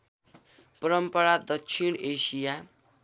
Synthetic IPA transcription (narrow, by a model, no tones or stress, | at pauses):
pʌɾʌmpʌɾad̪ʌksʰinesija